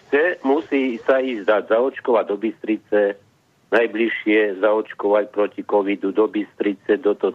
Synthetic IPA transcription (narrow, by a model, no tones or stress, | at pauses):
t͡sɛmusiːsaiːzd̪azaɔt͡ʃkɔʋaɟd̪ɔbist̪ɾit͡sɛ | najbliʃɪɛzaɔt͡ʃkɔʋacpɾɔcikɔʋid̪ud̪ɔbist̪ɾit͡sɛd̪ɔt̪ɔ